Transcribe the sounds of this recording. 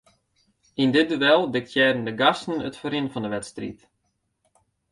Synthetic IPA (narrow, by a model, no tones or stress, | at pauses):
indɪt̚duʋɛlˠdɪktjɛːdəndəɡastən̩ə̰tfoɾɪnfɔndəʋɛtstrḭt